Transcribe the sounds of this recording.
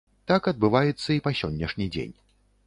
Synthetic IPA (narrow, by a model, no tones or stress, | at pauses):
t̪akɐd̪̚bɨvajɛt̪sːɐipɐsʲɔnʲːɐʂnʲid͡zʲḛnʲ